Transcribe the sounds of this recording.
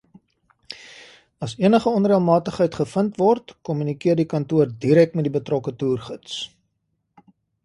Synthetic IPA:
ɐsiənəχəɔnriəlˠmɑːtəχɦəjtχəfəntvɔrtkɔmynikiərdikɐntuərdiɾɛk̚tmɛtdibətrɔkətuːrχəts

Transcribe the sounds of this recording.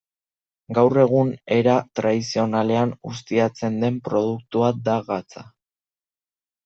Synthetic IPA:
ɡawre̞ɣ̞une̞ɾat̪ɾaðisio̞nale̞anust̪iat͡se̞nd̪e̞mpɾo̞ð̞uk̚t̪uad̪aɣat͡sa

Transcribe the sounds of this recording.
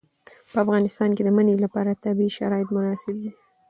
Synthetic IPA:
pəafɣɑnɪst̪ɑnked̪əmənelapɑɾat̪abiʃa̰ɾɑɪt̪mʊnɑsɪb̚d̪i

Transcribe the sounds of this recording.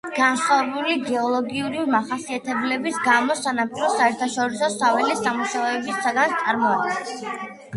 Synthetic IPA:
ɡ̥ansχwavɛbuliɡɛɔlˠɔɡiuɾimaχasiat̪ʰɛblɛbisɡamɔsanampʼiɾɔsaɛɾt̪ʰaʃɔɾisɔsavɛlisamuʃaɛbisaɡant̪sʼaɾmɔad̪̚ɡɛns

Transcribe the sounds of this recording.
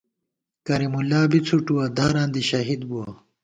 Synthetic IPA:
kɐɾimulːaːbit͡sʰuʈuwɐd̪aːɾãːnd̪iɕɐɦid̪buɐ

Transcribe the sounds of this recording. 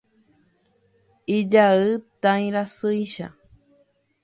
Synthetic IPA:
id͡ʒaɨt̪ãĩɾasɯiʃa̰

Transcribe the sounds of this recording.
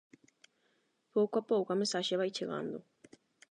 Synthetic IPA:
powkʷapowkamesaʃeβajt͡ʃeɣa̰nd̪o

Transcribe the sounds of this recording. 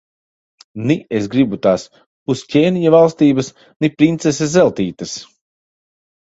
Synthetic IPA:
niesɡɾibut̪aːs | puscʲɛːnʲijavalˠst̪iːbɐs | nipɾint̪ses̬ʲezɛlˠt̪iːt̪ɐs

